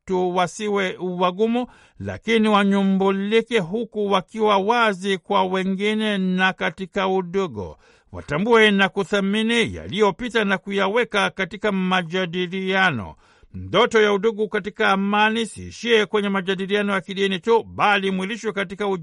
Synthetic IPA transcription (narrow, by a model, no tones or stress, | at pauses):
tuwasiwɛuwaɡumu | la̰kiniwaɲumbulikɛɦukuwakiwawazikwawɛŋɡinɛnakatikauɗuɡɔ̰ | wa̰tambuɛnakuθaminija̰lijɔpitanakujawɛkakatikamaʄaɗilianɔ̰ | m̩dɔtɔjauɗuɡukatikaːmanisḭːʃiɛkwɛɲɛmaʄaɗilianɔjakiɗinituɓalimwiliʃwɛkatikau